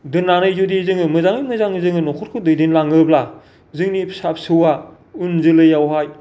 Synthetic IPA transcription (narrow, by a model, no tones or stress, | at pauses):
dɯnːanɯjzudizɯŋɯmɯzaŋɯmɯzaŋzɯŋɯnɔkʰɔt̚kʰɯdɯjdinlaŋɯbla | zɯŋnipʰsap̚sɯwa | unzɯlɯjawɦaj